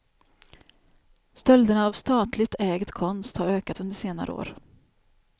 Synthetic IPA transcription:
st̪œld̪əɳaːvst̪ɑːt̪lɪɡ̚t̪ʰɛːɡət̪kʰɔnst̪haɾøːkat̪ɵnd̪əʂeːna̰ɾʔə̰o̰ːɾ

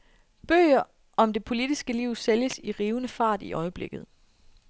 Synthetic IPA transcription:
b̥ø̰ːɐ | ɒ̽md̥e̝pʰo̝lid̥isɡ̥əliʊ̰seljəsiʁiːʊnəfɑ̈ːd̥iʔɒ̽ɪəb̥le̝ɡ̥ð̞̩ˠ

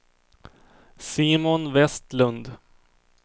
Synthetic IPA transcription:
siːmʊnvɛst̪lɵnd̪

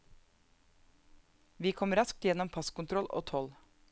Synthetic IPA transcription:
ʋiːkʰɔmɾɑsk̚t̪jɛnɔmpʰɑskʊnt̪ʰɾɔlʔo̰ːt̪ʰɔl

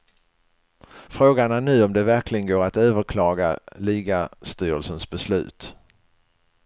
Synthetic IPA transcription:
fɾoːɡanænʉ̟ːɔmd̪ɛvæɾklɪɡənɡoːɾat̪øːvəɾkʰlɑːɡa̰liːɡast̪yːɾəlsənsbɛslʉ̟̰ːt̪

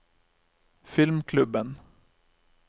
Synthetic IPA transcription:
fɪlmkʰlʉbən

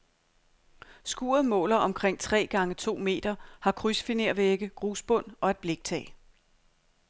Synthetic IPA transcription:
sɡ̥uːɐð̩ˠmɔ̰̽ːlɐʔɒ̽mkʰʁeŋ̰t͡sʰʁɛ̰ːɡ̥ɑ̈ŋət͡sʰo̝̰ːme̝̰ːd̥ɐhɑ̈kʰʁysfine̝ɐ̰ʋeɡ̥əɡ̥ʁuːsb̥ɔ̽n̰ɒ̽æd̥̚b̥le̝ɡ̥̚t͡sʰɛ̰ː

